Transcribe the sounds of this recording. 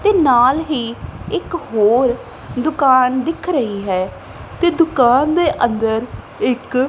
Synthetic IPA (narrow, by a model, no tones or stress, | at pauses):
t̪eːnaːlɦiːɪkɦoːɾ | d̪ʊkaːnd̪ɪkʰɾəɦiːɦɛː | t̪eːd̪ʊkaːnd̪eːʔə̃nd̪əɾ | ɪk